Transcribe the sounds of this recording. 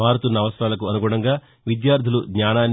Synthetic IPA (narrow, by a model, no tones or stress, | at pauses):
aːɾut̪unːɐːʋɐsɾaːlɐkuɐnuɡuːɽɐŋɡaː | ʋid̪jaːɾd̪ʱuluɡɲaːnaːn